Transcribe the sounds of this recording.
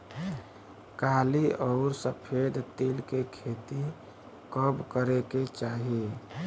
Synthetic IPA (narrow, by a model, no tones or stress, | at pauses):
kaːliɔʊɾsəpʰed̪t̪eːlkekʰeːt̪i | kəbkəɾeket͡ʃaːɦie